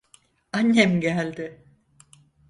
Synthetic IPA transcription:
anːɛmɟælʲd̪ɪ

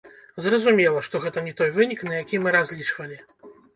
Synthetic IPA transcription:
zrɐzumʲɛlˠɐʂt̪ɔɣɛt̪ɐnʲɛt̪ɔjvɨnʲiknɐjakʲimɨɾazʲlʲit͡ʂvɐlʲi

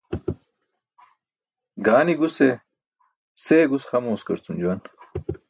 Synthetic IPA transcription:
ɡaːniɡuse | seːɡusxɐmoːskɐɾt͡sumd͡ʑuwɐn

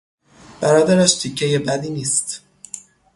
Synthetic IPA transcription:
b̥æɾɒːd̪æɾæʃt̪ʰicʰːejebæd̪iːniːst̪

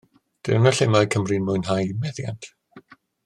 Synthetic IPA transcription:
d̥ɪ̰wnaɬɪmaɨkʰəmrɨnmʊɨnɦajmɛðja̰ntʰ

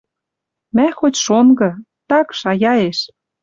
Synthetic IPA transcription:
mæxotʲʃonɡɤ̆ | t̪ɑkʃɑjɑeʃ

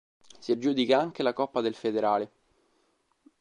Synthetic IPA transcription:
siad͡ʒːuːd̪ikaaŋk̟elakɔpːad̪elfed̪eɾaːle

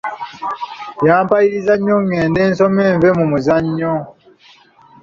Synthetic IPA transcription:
jaːmpajiizaɲːoŋeːndensomeɱvemumuzaɲːo

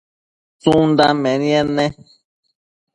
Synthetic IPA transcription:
t͡sũnd̪amẽnĩãnẽ

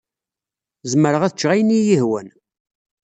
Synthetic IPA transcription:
zəməɾəʁæθt͡ʃːʁæjnijihwæ̰n

